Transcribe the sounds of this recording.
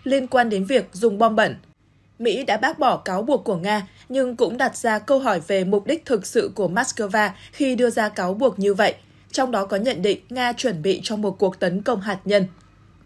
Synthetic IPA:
li˧ənkwaː˧nɗe˨˦nvi˨˩ək̚zʊ˨˩ŋ͡mɓɔ˧mɓə̰˧˩n | mḭ˧˥ɗa̰ː˧˥ɓaː˦˥k̚ɓɔ˧˩kaː˨˦wɓu˨˩əkːu˧˩əŋaː˧ | ɲɨ˧ŋkʊ̰˧˥ŋ͡mɗa˨˩t̚z̥aː˧kə˧wɦɔ˧˩jve˨˩mʊ˨˩k͡p̚ɗi˦˥k̟̚t̪ʰɨ˨˩k̚sɨ̰˧˨ku˧˩əmaː˦˥t̚kə˧vaː˧xi˧ɗɨ˧əzaː˧kaː˨˦wɓu˨˩ək̚ɲɨ˧və̰˧˨jʔ | t͡ɕɔ˧wŋ͡mɗɔ˨˦kɔ˨˦ɲə̰˧˨nɗḭ˧˨ŋ̟ŋaː˧t͡ɕwə˧˩nɓḭ˧˨t͡ɕɔ˧wmo˨˩t̚ku˨˩ək̚t̪ə˨˦nkə˧wŋ͡mɦaː˨˩t̚ɲə˧n

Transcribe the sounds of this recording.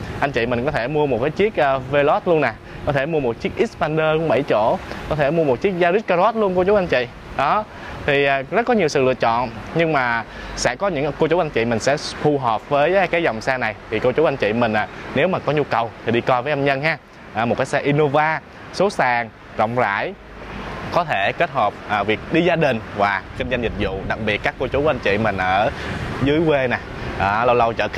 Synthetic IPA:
ʔa˧jŋ̟t͡ɕḭ˧˨mï˨˩ŋ̟kɔ˨˦t̪ʰe˧˩mu˧əmo˨˩t̚kaː˨˦jt͡ɕi˦˥ək̚ʔəː˧ve˧lɔ˦˥t̚lu˧əna˨˩ | kɔ˨˦t̪ʰe˧˩mu˧əmo˨˩t̚t͡ɕi˦˥ək̚ʔi˦˥t̚pa˧nɗəː˧kʊ̰˧˥ŋ͡mɓə̰˧˩jt͡ɕo̰˧˥kɔ˨˦t̪ʰe˧˩mu˧əmo˨˩t̚t͡ɕi˦˥ək̚zaː˧zi˦˥t̚ka˧zɔ˦˥t̚lu˧ənku˧t͡ɕu˨˦wʔa˧n̟t͡ɕḭ˧˨ | ɗɔ˨˦ | t̪ʰi˨˩ʔaː˨˩zə˦˥t̚kɔ˨˦ɲi˨˩əwsɨ̰˧˨lɨ̰˧˨ət͡ɕɔ̰˧˨nɲɨ˧ŋmaː˨˩ | sɛ̰˧˥kɔ˨˦ɲɨ̰˧˥ŋko˧t͡ɕu˨˦wʔa˧jn̟t͡ɕḭ˧˨mï˨˩ŋ̟sɛ̰˧˥t̪ʰu˧ɦɔː˨˩p̚vəː˨˦jkaː˨˦jzɔ˨˩wŋ͡msɛː˧na˨˩jt̪ʰi˨˩ko˧t͡ɕu˨˦wʔa˧jŋ̟t͡ɕḭ˧˨mï˨˩ŋ̟aː˨˩ne˨˦wmaː˨˩kɔ˨˦ɲu˧kə˨˩wt̪ʰi˨˩ɗi˧kɔ˧jvəː˨˦jʔə˧mɲə˧nɦaː˧ | ʔːmo˨˩t̚kaː˨˦jsɛ˧ʔi˧no˧vaː˧ | so˨˦saː˨˩ŋ | zɔ̰˧˨wŋ͡mza̰ː˧˥˨j | kɔ˨˦t̪ʰe˧˩ke˦˥t̚hə˨˩p̚ʔːvi˨˩ək̚ɗi˧zaː˧ɗï˨˩ŋ̟vaː˨˩xi˧ŋza˧jŋ̟zï˨˩k̟̚zʊ̰˧˨ɗa˨˩k̚ɓi˨˩ət̚kaː˦˥kːo˧t͡ɕu˨˦ʔa˧ŋ̟t͡ɕḭ˧˨mï˨˩ŋ̟ʔəː˧˩zɨː˨˦jwe˧na˨˩ʔəː˧˩lə˧wlə˧wt͡ɕə̰ː˧˨x

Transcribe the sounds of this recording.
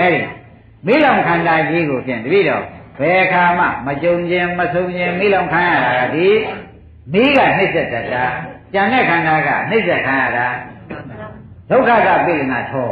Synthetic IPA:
ʔɛ˦ɾḭ˨ | mi˦˨lã˨ʊ̃kʰã˨nda˨d͡ʑi˦ɣo˨sʰɪ̰̃˨nt̪ə˨bḭ˦˨dɾɔ̰˨b̥ɛ˨ʔəkʰa˨m̥a̰˦˨mət͡ɕõ˨ʊ̃ɲd͡ʑɪ̃˦məsʰõ˨ʊ̃ɲd͡ʑɪ̃˦mi˦˨lõ˨ʊ̃kʰã˦ja̰˦˨ɾa˨ɡa̰˦˨d̪i˨ | mi˦ɣa̰˦˨n̥ɪ˦˨sɛ˦ʔtɛ˦˨tːa˨t͡ɕã˨ndɛ˦˨kʰã˨nda˨ɡa̰˦˨n̥ɪ˦ʔsɛ˦˨ʔkʰã˦ja̰˦˨da˨ | d̥o˦ʊkʰːa˦˨d̪a̰˦˨pḛ˦˨t̪ə˨na˨tʰɔ˨

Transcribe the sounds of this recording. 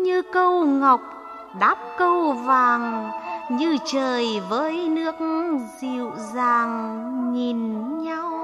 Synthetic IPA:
ɲɨ˧kə˧wŋa˨˩wk͡p̚ | ɗaː˦˥p̚kə˧wvaː˨˩ŋɲɨ˧t͡ɕəː˨˩jvəː˨˦jnɨ˦˥ək̚zi˧˨wzaː˨˩ŋɲi˨˩nɲa˧w

